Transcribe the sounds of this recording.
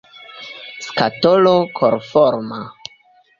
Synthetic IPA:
skatolokʰoɾfoɾma

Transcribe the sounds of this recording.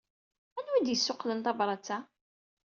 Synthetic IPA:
ænwid̪jəsːʊqlənt̪ˤɑvɾˤɑt͡sːa

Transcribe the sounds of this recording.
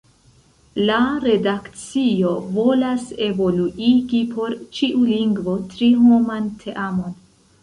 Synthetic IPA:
laɾe̞dakt͡sio̞vo̞lase̞vo̞luʔiɡipʰo̞ɾt͡ʃiʔuliŋɡvo̞tɾiɦo̞mantʰe̞ʔamo̞n

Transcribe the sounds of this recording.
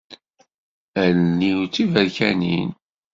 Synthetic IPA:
æɾnːiwt͡sːivəɾçænḭn

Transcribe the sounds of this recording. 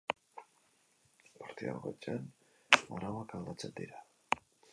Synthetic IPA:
paɾt̪ia̰ɾɣot͡ʃʼan | aɾawakald̪at͡send̪ḭɾa

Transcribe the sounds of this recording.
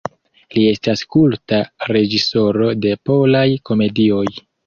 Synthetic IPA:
lie̞staskultaɾe̞d͡ʒiso̞ɾo̞de̞po̞lajko̞me̞dio̞j

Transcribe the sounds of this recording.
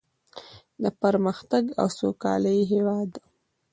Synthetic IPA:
d̪əpaɾməxt̪aɡa̰wsokɑ̰ləjɦewɑːd̪

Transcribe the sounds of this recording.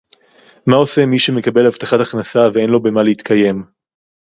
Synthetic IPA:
mao̞se̞miʃeme̞kabe̞lhavt̪aχat̪aχnasavee̞nlo̞be̞maleit̪kʰaje̞m

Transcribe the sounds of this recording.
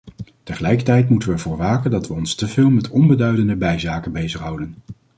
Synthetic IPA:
təχəlɛjkətɛjtmutəʋəɛɹvʊːɹʋaːkəndɑtʋəɔnstəvɪːlˠmɛtɔnbədœɥdəndəbɛjzaːkənbejzəχɦʌwdən

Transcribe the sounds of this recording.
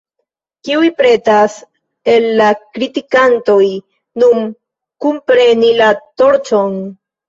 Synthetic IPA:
kiujpɾe̞tas | e̞lːakɾitikanto̞j | nun | kumpɾe̞nilato̞ɾt͡ʃo̞n

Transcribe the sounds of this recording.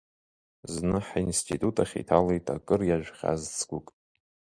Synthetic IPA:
znɨħinstʰʼitʼutʼaχʲḭtʰalejtʰʼa̰kʼɨrjaʒᶣχʲa̰zt͡sʰɡʷukʼ

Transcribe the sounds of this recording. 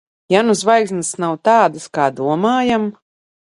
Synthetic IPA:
januzvajksnɨsnawt̪aːd̪ɨskaːd̪uɔmaːjam

